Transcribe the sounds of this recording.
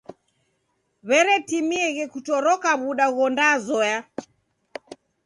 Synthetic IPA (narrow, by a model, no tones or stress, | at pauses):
βɛɾɛtimiɛɣɛkutɔɾɔkaβuɗaɣɔndazɔja